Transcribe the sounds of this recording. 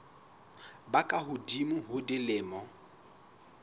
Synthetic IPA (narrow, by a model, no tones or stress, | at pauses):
bakʼaɦʊdimʊɦʊdɪlɪːmɔ